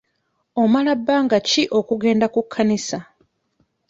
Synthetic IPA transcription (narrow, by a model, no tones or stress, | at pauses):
o̞malabːaːŋɡaciʔo̞kuɡe̞ːndakukʰːanisa